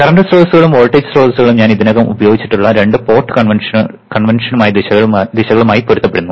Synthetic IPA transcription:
kɐɾɐɳɖɐsroːlsuɣɐɭumoːɭʈːed͡ʑɨ̥sro̞ːlsuɣɐɭumɲaːniðinoɣɐmubɐjo̞ːɡit͡ɕːi̥ʈːuɭːɐɾe̞ɳɖɨpo̞ːrʈːɨ̥kɐɳʋɐnʂ | kɐɳʋɐnʂɐnumaːjɐd̪iɕɐɣɐɭːd̪iɕɐɣɐɭumaːjipoɾut̪ːɐpːeɽunːu

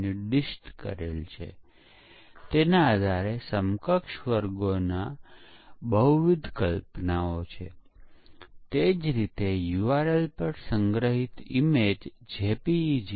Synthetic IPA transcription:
niɖiʃʈkə̰ɾelt͡ʃʰḛ | t̪enaːd̪ʱaɾesəmkəkʃʋəɾɡona | bəɦuʋid̪ʱkəlpnaot͡ʃʰḛ | t̪ed͡ʒɾit̪ejuʋaɾəlpəɾsəŋɡɾəɦit̪imed͡ʒd͡ʒepid͡ʒ

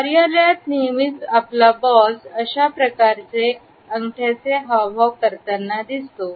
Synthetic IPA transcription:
kaɾijalat̪nimit͡saplabɔsəɕapɾəkaɾt͡se | əŋɡʈʰat͡seɦawbʱaʋkəɾt̪anːad̪ist̪o

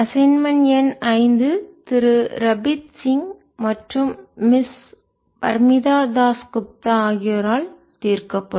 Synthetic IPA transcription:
ɐsɐnmɐnjɐnɐɪnd̪ɯt̪ɪɾɯɾɐbɪt̪sɪŋ | mɐʈrɯmːɪs | pɐ̰ɾmɪðaːd̪aːskʊp̚t̪aaːɣɪjɐɾaːl | t̪iːɾkɐpːɐ

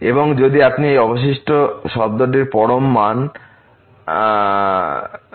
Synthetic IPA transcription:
eboŋd͡ʑod̪iapniejɔboʃ̬iʃʈoʃɔb̚d̪oɖeɾpɔɽomːan

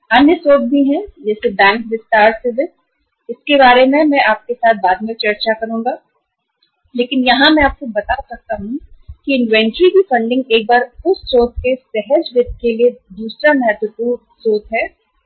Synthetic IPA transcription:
ɐnjəsoːt̪̚bʱiɦɛd͡ʒɛːsebɛ̃ːŋkdɪsʈaːɾsɪbɪt | ɪskebaːɾemẽmɛ̃ʔaːp̚kesaːt̪̚ʰbaːd̪mẽt͡ʃɐɾt͡ʃakɐɾũːŋɡa | leːkɪnjɐɦãmɛ̃aːp̚kobɐt̪asɐk̚t̪aɦũkiɪ̃nʋɛ̃ɳʈɾikifɐ̃ɳɖɪ̃ŋɡeːk̚baːɾʊsːoːt̪̚kesɛɦəd͡ʒʋɪt̪̚kelied̪uːsɾamɛɦət̪wəpuːɾ | soːt̪ɦɛː

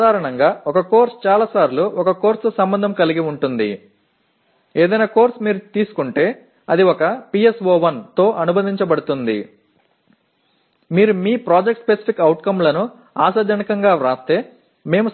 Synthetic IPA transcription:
aːɾɐɳɐŋɡaːɔkɐkoːɾst͡ʃaːlaːsaːɾluɔkɐko̞ːɾsusɐmbɐnd̪ʱɐmkɐliɡiuɳʈund̪ḭ | eːd̪ɐjnaːko̞ːɾsmiːɾut̪iːsu̥kuɳʈe̞ː | ɐd̪iɔkɐpiesʋoːʋɐnt̪o̞ːʔɐnubɐnd̪ʱiɲt͡ʃɐbɐɽut̪und̪ḭ | miːɾumiːpɾaːd͡ʒekʈspesi̥pʰikɐwʈkɐmlɐnu | aːsɐd͡ʒɐnɐkɐŋɡaːɾaːst̪e̞ː | me̞ːmu

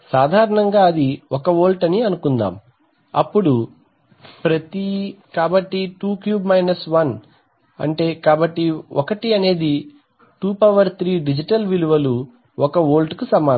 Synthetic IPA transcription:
saːd̪ʱaːɾɐɳɐŋɡaːɐd̪iɔkɐoːlʈɐniɐnukund̪a̰ːm | ɐpːuɽu | pɾɐt̪ikaːbɐʈːiʈuːkjuːbmɐjnɐsʋɐn | ɐ̰ɳʈe̞ːkaːbɐʈːiɔkɐʈiɐne̞ːd̪i | ʈuːpɐʋɐɾt̪ʰɾiːɖid͡ʒiʈɐlʋiluʋɐlu | ɔkɐoːlʈkusɐmaː

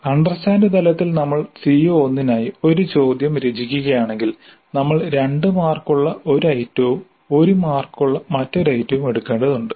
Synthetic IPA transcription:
ɐɳɖrɐsaːnɐt̪ɐlɐt̪ːilnɐmːɐɭsijoonːinaːjio̞ɾut͡ɕo̞ːd̪jɐmɾed͡ʑik̬ʲːuɣɐjaːɳe̞ŋɡil | nɐmːɐɭɾe̞ɳɖɨmaːrkuɭːɐʔo̞ɾɐjtːɐʋum | o̞ɾumaːrkːuɭːɐmɐtːo̞ɾɐjtːɐʋume̞ɽukːeːɳɖɐðuɳɖɨ

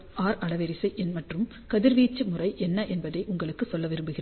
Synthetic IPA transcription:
ʔaːɾɐɭɐʋɛɾɪsɐɪʔɛnmɐʈrɯm | kɐðɪɾʋiːt͡ʃːɯmʊrɐɪʔɛnːɐʔɛnbɐðɐɪʔʊŋɡɐɭɯkːɯsɔlːɐʋɪɾɯmbɯɣɪrɐ

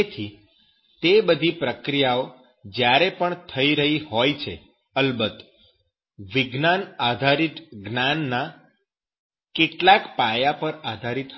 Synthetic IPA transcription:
t̪ʰi | t̪ebəd̪ʱipɾəkɾijao | d͡ʒjaɾepəɳt̪ʰəiɾəɦihojt͡ʃʰe | əlbət̪ | ʋiɡnanad̪ʱaɾit̪ɡnanːa | keʈlakpajapəɾad̪ʱaɾit̪

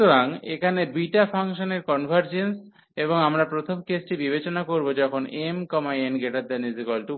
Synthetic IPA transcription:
oɾaŋḛkʰanebiʈapʰaŋʃoneɾkɔnbʱaɾd͡ʑens | eboŋamɾapɾot̪ʰomkesʈibibet͡ɕonakoɾbod͡ʑɔkʰonemkɔmaenɡeʈad̪enizikɔlʈu

